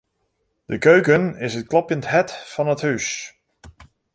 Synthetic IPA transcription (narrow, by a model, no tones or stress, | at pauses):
d̥əkøɥkənɪsət̚klɔpjənthɛtfɑnəthys